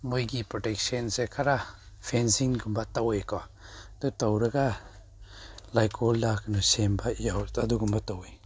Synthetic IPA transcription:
mojɡipɾɔtek̚sensekʰaɾa | pʰensiŋɡumbatawejkɔ | dutawɾɐɡa | lajkʰɔldakʰnɔsembajawaduɡumbatawej

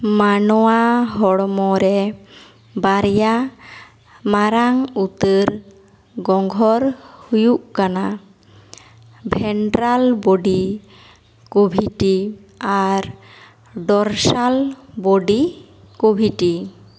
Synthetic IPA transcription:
manɔwaɦɔɽmɔɾɛ | baɾja | maɾaŋut̪əɾ | ɡɔŋɡʱɔɾhujuʔkana | bʱɛɳʈɾalbɔɖi | kobʱiʈi | aɾ | ɖɔɾsalbɔɖi | kobʱiʈi

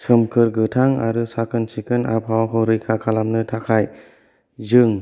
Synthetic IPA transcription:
sɯmkʰɯɾɡɯtʰaŋa̰ɾɯsakʰɯnsikɯna̰p̚hawakʰɯɾɯjkʰakʰalamnɯtʰakʰaj | zɯŋ

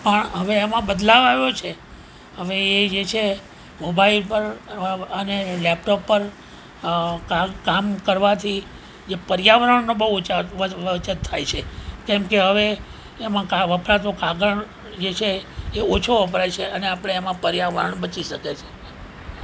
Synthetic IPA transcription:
pəɳɦəʋeːmãbəd̪laʋaʋjot͡ʃʰe | ɦəʋeːd͡ʒet͡ʃʰe | mobailpəɾənelɛp̚ʈopːəɾ | kakamkəɾʋat̪ʰi | d͡ʒepəɾijaʋəɾəɳnobəɦt͡ʃaʋəət͡ʃət̪t̪ʰːajt͡ʃʰekɛ̃mkeɦəʋeː | mãkaʋəpɾat̪̬okaɡəɳ | d͡ʒet͡ʃʰeːot͡ʃʰoʋəpɾajt͡ʃʰeəneapəɽ̃eːmãpəɾjaʋəɾə̰ɳbət͡ʃiʃəket͡ʃʰe̥

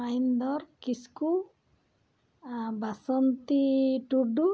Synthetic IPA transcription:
ajnd̪ɔɾkisku | basɔnt̪iʈuɖu

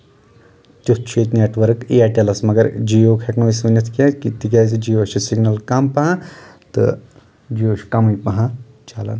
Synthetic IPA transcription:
t͡ʃ̪ut̪t͡ʃʰiːt̪neːʈʋɐɾkiaʈelɐsmɐɡɐɾd͡ʒijoːkʰeknoːisunɐt̪ʰkʲãkit̪ikʲaːsid͡ʒijoːʃisiɡnɐlkɐmpɐɦãt̪ɨ̰ | d͡ʒijoːʃkɐmɐjpɐɦã | t͡ʃaːlɐ̰n

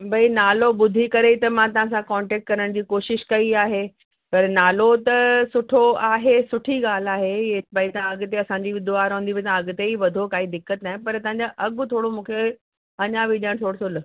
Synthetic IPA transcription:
bʱɐinaːloɓʊd̪ʱikɐɾet̪ɐmãt̪ɐʋ̤ãsãkɔ̃ːɳʈɛːk̚ʈ̚kɐɾəɽ̃d͡ʑiːkoːʃɪʃkɐiaːɦe | pɐɾnaːlot̪ɐsʊʈʰoaːɦesʊʈʰiɡaːl̤aːɦeebɐit̪ɐãɐɡt̪eɐsãːɲd͡ʑiɪd̪ʱoaːɾɦũnd̪iʋet̪ãɐɡt̪eiʋɐd̪ʱokaːid̪ɪkːət̪naːɪ̃pɐɾt̪ɐʋ̤ãɲ̆d͡ʑaʔɐɡʊ̆t̪ʰoːɽomũːkʰe | ɐɲãʋɪʄə̃ɽ̃t̪ʰoːɽosol

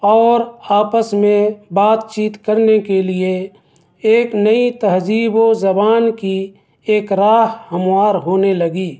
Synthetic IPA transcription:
ɔːɾaːpəsmẽbaːt̪t͡ʃiːt̪kəɾnekelie | eːknəit̪ɐɦd͡ʒiːbozɐbaːnki | eːkɾaːɦhəmwaːɾɦoːneləɡiː

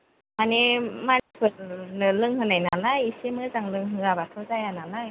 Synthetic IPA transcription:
animanipʰɯɾnɯlɯŋɦɯnajnanajisemɯzaŋlɯŋɦɯabatʰɔzajananaj

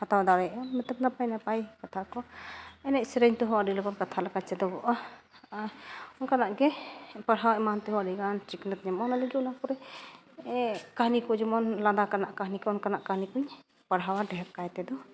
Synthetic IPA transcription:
hat̪awad̪aɾɛɔnmɛt̪əp̚napajnapajkat̪ʰakɔɛnɛʔsɾəɲt̪ɔɦɔwaɖilɛbɔnkat̪ʰalakat͡ʃɛd̪ɔbɔʔa | ɔnkanaʔɡɛpəɽɦawaʔmant̪ɛɦɔwaɖiɡant͡ʃiknət̪̚ɲɛmɔnalɛd͡ʒuɔnakɔɾɛ | kaɦnikɔd͡ʒɔmɔnlad̪akanaʔkaɦnikɔɔnkanaʔkahnikuɲ | pəɽɦawaɖɛɦɛpkajt̪ɛd̪ɔ

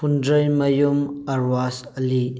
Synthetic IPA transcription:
undɾəjmɐjumɐɾwasɐli

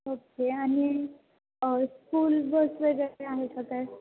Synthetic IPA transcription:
okeani | skulbəsʋəɡəɾeaɦesət̪a

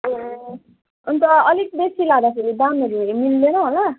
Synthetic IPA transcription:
unt̪ʌʌlik̚besilaɡd̪akʰeɾid̪aneɾimilːenʌɦola

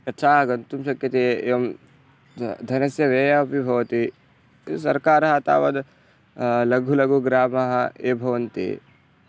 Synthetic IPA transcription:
ɐt̪ːʃʰaːɐɡɐnt̪umʃɐkjɐt̪ejɐm | d̪ʱɐnɐsjɐʋeːjɐpibʱɐʋɐt̪i | sɐɾkaːɾɐɦɐt̪a̰ːʋɐd̪ | lɐɡʱulɐɡʱuɡɾaːmɐɦɐeːbʱɐʋɐnt̪ḛː

